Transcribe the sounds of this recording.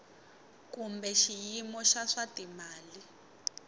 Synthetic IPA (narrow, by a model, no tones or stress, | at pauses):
kumbɛʃijimɔʃaʂatimaːli